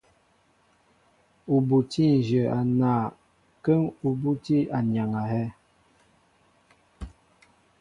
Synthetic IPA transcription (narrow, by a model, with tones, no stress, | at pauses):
u˨bu˨ti˦n̩˨d͡ʒə˨a˨naː˨ | kə˦ŋu˨bu˦ti˦a˨ɲ˨a˨ŋa˨hɛ˦